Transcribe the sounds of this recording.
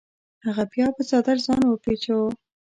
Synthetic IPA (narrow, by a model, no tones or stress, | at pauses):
haɣapjɑpət͡sɑd̪aɾzɑnwəpet͡ʃo